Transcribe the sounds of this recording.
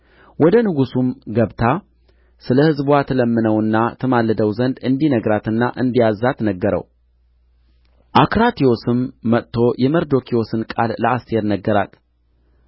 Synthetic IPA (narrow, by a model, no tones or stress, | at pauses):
wʔɔd̪ənɨɡusumɡəβt̪ʰa | sɨləhɨzbwat̪ʰələmːɨnəwɨnːat̪ʰɨmalːɨd̪əwzənd̪ɨnd̪inəɡɾat̪ɨnːaʔɨnd̪ijazːat̪nəɡːəɾə̰w | ʔakɾat̪ʰio̞sɨmːət̪ʰːo̞jʔɛməɾd̪o̞kʰio̞sɨnkʼalləast̪ʰe̞ɾnəɡːəɾa̰t̪